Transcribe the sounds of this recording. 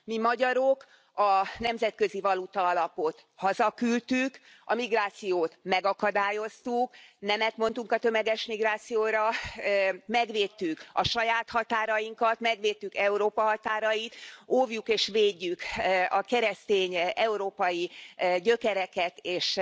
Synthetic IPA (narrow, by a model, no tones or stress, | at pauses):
mimɒɟɒɾo̞k | ɒnɛmzɛt̪̚kø̞zivɒlut̪ɒɒlɒpot̪hɒzɒkylt̪yk | ɒmiɡraːt̪sijoːt̪mɛɡɒkɒd̪aːjo̞st̪uknɛmɛt̪mo̞n̪t̪uŋkɒt̪ømɛɡɛʃmiɡraːt̪sijoːɾɒ | mɛɡʋeːt̪ːykɒʃɒjaːt̪hɒt̪aːɾɒjiŋkɒt̪mɛɡʋeːt̪ːykɛuɾoːpɒɦɒt̪aːɾɒjit̪ovjukeːʃveːɟːykɒkɛɾɛst̪eːɲɛuɾoːpɒjiɟø̞kɛɾɛkɛt̪eːʃ